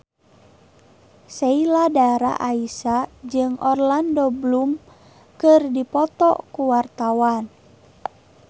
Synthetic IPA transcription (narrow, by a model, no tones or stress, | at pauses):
seiladaɾa̰ʔaisad͡ʒɨŋʔɔrlandɔblum | kɨrdipɔt̪ɔ̰kuwart̪awan